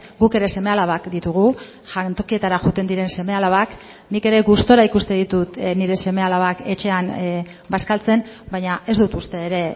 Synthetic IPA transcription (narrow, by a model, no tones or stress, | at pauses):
ɡuke̞ɾe̞se̞me̞alaβakd̪it̪uɣ̞u | ʝant̪o̞kie̞t̪aɾaxut̪e̞nd̪iɾe̞nse̞me̞alaβak | nike̞ɾe̞ɣust̪o̞ɾaikust̪e̞ðit̪ut̪niɾe̞se̞me̞alaβake̞t͡ʃe̞an | baskalt͡se̞n | bajɲaʔe̞zd̪ut̪ust̪e̞ːɾe̞